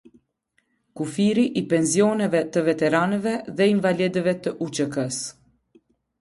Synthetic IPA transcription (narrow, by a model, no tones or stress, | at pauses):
kufiɾiʔipɛnzjɔnɛvɛt̪əvɛt̪ɛɾanɛvɛðɛiɱvalɛd̪əvɛt̪əʔut͡ʃəkəs